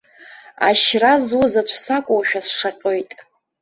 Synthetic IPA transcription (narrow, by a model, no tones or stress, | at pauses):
a̰ʃrazuzat͡ɕʷʰsakʷʼowaʃᶣasʂaqʲʼojtʼ